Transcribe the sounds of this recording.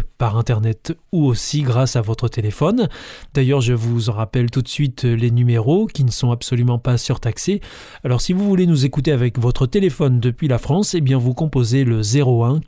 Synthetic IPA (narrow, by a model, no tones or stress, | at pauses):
paʁɛ̃t̪ɛʁnɛt̪uosiɡʁasavɔt̪χət̪elefɔnd̪ajœʁʒəvuzɑ̃ʁapɛlt̪ut̪sɥit̪lenymeʁokʲinəsɔ̃absɔlymɑ̃pasyʁt̪akse | alɔʁsivuvulenuzekut̪̬eavɛkvɔt̪χət̪elefɔnd̪əpɥilafχɑ̃sebjɛ̃vukɔ̃pozeləzeʁoɛ̃